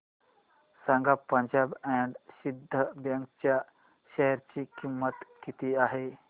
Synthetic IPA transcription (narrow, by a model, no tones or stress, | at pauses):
sãŋɡapəɲd͡ʑabɛɳɖsid̪ʱːəbjə̃ŋkt͡ɕja | ɕɛɦɾt͡ɕikimːət̪kit̪iaɦe